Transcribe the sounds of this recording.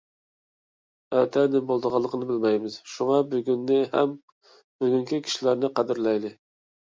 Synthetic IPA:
ɛt̪ʰɛnɪbolˠd̪əʁɑlˠːəqʰənɨbɪlmɛjmɪz̥ʃuŋɑbyɡʲynːɪhɛ̰m | byɡʲyŋkʲikʲʰi̥ʃilæɾnɪqɑd̪ɪɾlɛjd̪ɪ

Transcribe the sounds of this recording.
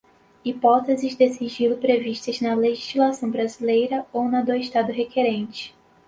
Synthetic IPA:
ipɔt̪ezɪzd̪esiʒilʊpɾeviʃt̪ɐznɐleʒiʒlasɐ̃w̃bɾazilejɾɐownɐd̪oɪʃt̪ad̪ʊɦekeɾẽnt͡ʃɪ̥

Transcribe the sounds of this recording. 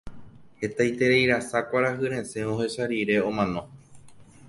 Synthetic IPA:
he̞t̪ajt̪e̞ɾejɾasakʷaɾaɦɨɾẽ̞sẽ̞ʋõhe̞ʃaɾiɾe̞õ̞mãnõ̞

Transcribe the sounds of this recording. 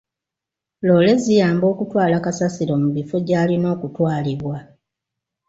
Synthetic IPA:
lo̞ːle̞zijaːmbo̞ːkutwaːlakasasiɾo̞muβifoɟaːlino̞ːkutwaːliβwa

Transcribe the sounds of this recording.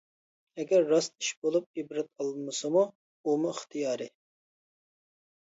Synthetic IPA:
ɛɡʲɛɾːɑst̪i̥ʃbolˠup̚ibɾɛt̪̚ɑlˠmɨsɨmu | umuɪχt̪ʰijɑːɾɨ

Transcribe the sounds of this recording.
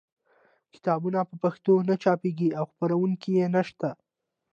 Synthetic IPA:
kɪ̥t̪ɑbunapəpaxt̪onat͡ʃɑpeɡiawxpaɾawuŋkijenaʃt̪a

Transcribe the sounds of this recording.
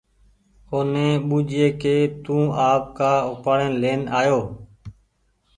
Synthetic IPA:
oːnẽːɓuːd͡ʒeːkeːt̪ũːaːp̚kaːʊpaːɽeːnleːnaːjoː

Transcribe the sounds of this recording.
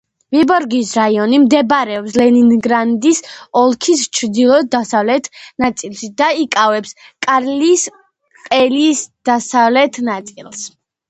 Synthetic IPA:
vibɔɾɡisɾaiɔnimd̪ɛbɾɛɔpslɛninɡɾand̪isɔlˠkʰist͡ʃʰɾd̪ilˠɔd̪d̪asavlɛt̪ʰnat̪sʼilˠʃid̪aikʼavɛpskʼaɾlis | qʼɛlisd̪̥asavlɛt̪ʰnat̪sʼilˠs

